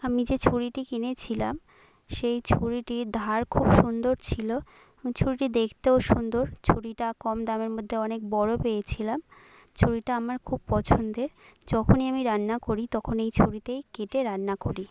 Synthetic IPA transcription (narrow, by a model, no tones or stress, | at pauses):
amid͡ʑet͡ɕʰuɾiʈikinet͡ɕʰilam | ʃejt͡ɕʰuɾiʈid̪ʱaɾkʰubʃund̪oɾt͡ɕʰilo | t͡ɕʰuɾiʈid̪ekʰt̪eoʃund̪oɾt͡ɕʰuɾiʈakɔmd̪ameɾmod̪ʱːeɔnek̚bɔɽopejet͡ɕʰilam | t͡ɕʰuɾiʈaamaɾkʰub̚pɔt͡ɕʰond̪eɾd͡ʑɔkʰoniamiɾanːakoɾit̪ɔkʰonejt͡ɕʰuɾit̪ejkeʈeɾanːakoɾi